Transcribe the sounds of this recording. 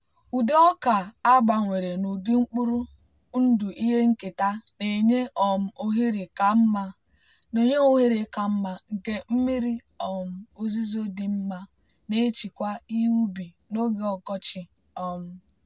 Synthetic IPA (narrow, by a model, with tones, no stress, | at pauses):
u˨de˦ɔ˦ka˨a˦ɡ͡ba˨ŋʷe˨ɾe˨nu˨di˦ŋ͡m̩˦k͡pu˦ɾu˦ | n̩˦du˨ʔi˦ɦe˦ŋ̩˦ke˨ta˦ne˨ɲe˦ʔɔ˨m̩˦ʔo˦ɦi˦ɾi˨ka˨m̩˦ma˦ | no˨ɲe˦ŋo˦ɦi˦ɾe˨˦ka˨m̩˦ma˦ŋ̩˨ke˦m̩˦mi˦ɾi˦ | ɔ˨m̩˦o˦zi˦zo˦di˨m̩˦ma˦ | ne˦t͡ʃi˨kʷa˦i˦wu˦bi˨ | no˦ɡe˦ɔ˨kɔ˦t͡ʃɪ˨ | ɔ˦˨m̩˦